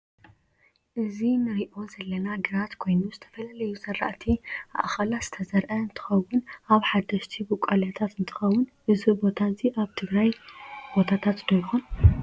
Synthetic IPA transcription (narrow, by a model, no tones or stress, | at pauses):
ʔɨzinɨɾiʔo̞zɐlːɐnaɡɨɾat̪kʰo̞jnuzɨt̪ʰɐfɐlalɐjusɨɾːa̰ʔt̪ʰia̰ʔxɐlaz̥ɨ̥t̪ʰɐzɐɾʔɐɨnt̪ʰɨ̥xɐwːʊnʔaβħad̪ɐʃt̪ʰibɨkʷʼalat̪ʰat̪ɨnt̪ʰɨ̥xɐwːʊnʔɨzubo̞t̪ʰaziʔaβt̪ʰɨɡɾajb̥o̞t̪ʰat̪ʰat̪d̪ɐjxun